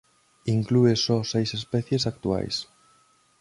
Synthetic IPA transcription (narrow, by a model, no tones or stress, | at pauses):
iŋkluesɔsejsespɛθjesak̚t̪ua̰js